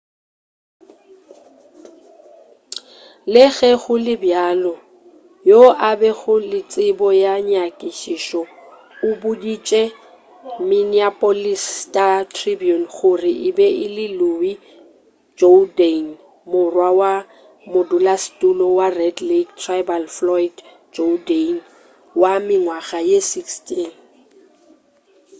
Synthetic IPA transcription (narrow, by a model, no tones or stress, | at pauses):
lɪɣɛɣʊlɪbjaːlɔ | joʔabɛɣʊlɪt͡sʼɪbɔjaɲakʼɪʃiʃɔ | ʊbʊdit͡ʃʼɛ | mɪniapʼolistʼatʰribiɔnχʊrɪʔɪbɛʔɪlɪlʊwi | d͡ʒoden | mʊrwawa | mʊdulastʼulɔwarɛdlektʰrajbalflɔid | d͡ʒoden | wamɪŋwaɣajesikstʼiːn